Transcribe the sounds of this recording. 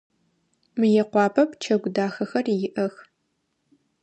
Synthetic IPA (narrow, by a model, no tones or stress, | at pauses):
mɨjɛqʷɑːpʰʼɐpʰt͡ʃʰɐɡʷʊdaːxɐxɐrjɪʔɐx